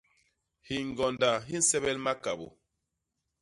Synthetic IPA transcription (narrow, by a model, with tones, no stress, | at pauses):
hi˨ŋ˨ɡɔ˨nda˨ɦi˦n̩˦sɛ˦βɛ˦lma˦ka˨bo̰˨